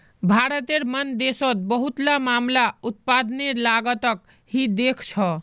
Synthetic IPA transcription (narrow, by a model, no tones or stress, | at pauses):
bʱaɾət̪eɾmənd̪esot̪̚bəɦut̪lamamlaut̪̚pad̪nelaɡət̪ək | ɦid̪ekʰt͡ʃʰʌ